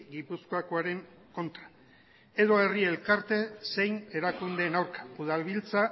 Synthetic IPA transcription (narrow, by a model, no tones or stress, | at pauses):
ɡipusko̞akoaɾe̞ŋ | ko̞nt̪ɾa | e̞ðo̞e̞rie̞lkaɾt̪e̞se̞jne̞ɾakund̪e̞ːnawɾkḁuðalβilt͡sa